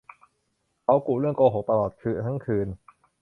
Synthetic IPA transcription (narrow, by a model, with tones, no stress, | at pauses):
kʰa˦˥wku˨˩ɾɯ˥˩əŋkoː˧ɦo˨˩˦p̚t̪a˧lɔː˨˩t̪̚kʰɯː˧t̪ʰa˦˥ŋkʰɯː˧n